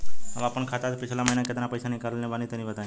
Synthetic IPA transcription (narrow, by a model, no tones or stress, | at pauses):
əʋaːpəɳkʰat̪at̪pɪt͡ʃʰlaməɦinaket̪ɾapəjsanəĩkəɾlnẽbanit̪ənĩbət̪a